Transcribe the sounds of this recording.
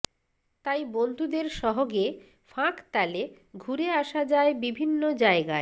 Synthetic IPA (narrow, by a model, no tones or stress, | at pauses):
t̪ajbond̪ʱud̪eɾʃɔɦoɡe | fãkt̪ale | ɡʱuɾeaʃad͡ʑaebibʱinːod͡ʑaeɡae